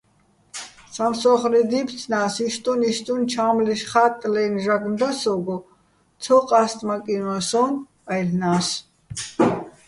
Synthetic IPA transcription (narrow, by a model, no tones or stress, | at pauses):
samsɔχlid̪ip̪ʰt͡sʰnaːsiʃt̪ʼunist̪ʼunt͡ʃʰaːmliʃχat̪ʼlɛnʒaɡnd̪asɔɡɔ | t̪ʰɔqʼast̪ʼmakʼinwasɔm | ajlnaːs